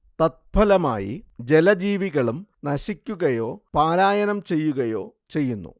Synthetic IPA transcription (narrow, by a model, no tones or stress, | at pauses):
t̪ɐt̪̚bʰʱɐlɐma̰ːjḭd͡ʑe̞lɐd͡ʑiːʋiɣɐɭumnɐɕikʲːuɣɐjo̞ːpaːɾaːjɐnɐmt͡ɕe̞jːuɣɐjo̞̰ːt͡ɕe̞jːunːṵ